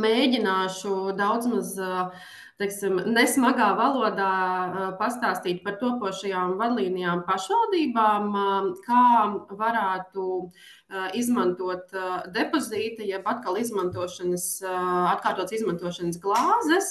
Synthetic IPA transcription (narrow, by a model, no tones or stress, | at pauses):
meːɟʲinaːʃud̪awd̪zmaz | t̪ɛksimnɛsmaɡaːvalˠuɔd̪aːpast̪aːst̪iːt̪̚ʲpaɾt̪uɔpuɔʃɐjaːmvad̪lˠiːnijaːmpaʃʋalˠd̪iːbaːmkaːvaɾæːt̪u | izmant̪uɔt̪d̪epoziːt̪ɐjɛbat̪kalˠizmãnt̪uɔʃanəsat̪̚kaːɾt̪uɔt̪sizmãnt̪uɔʃanəsɡlˠɑːzɛs